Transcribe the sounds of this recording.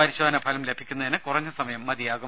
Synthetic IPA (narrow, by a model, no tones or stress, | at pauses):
ɐɾiɕoːd̪ɐnɐpʰɐlɐmlebʱikʲːunːɐðinɨkurɐɲːɨsɐmɐjɐmːɐd̪ijaːɣu